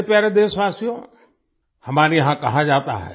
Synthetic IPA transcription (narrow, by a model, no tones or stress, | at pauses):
epjaɾed̪eːsʋaːsijõ | hɐmaːɾiɦãːkɐɦãd͡ʒaːt̪a̰ɦɛe